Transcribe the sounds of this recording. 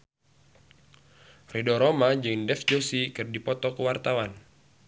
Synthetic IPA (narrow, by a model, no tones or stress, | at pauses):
rɛdɔɾɔmad͡ʒɨŋdɛfd͡ʒosikɨrdipɔt̪ɔkəwart̪awan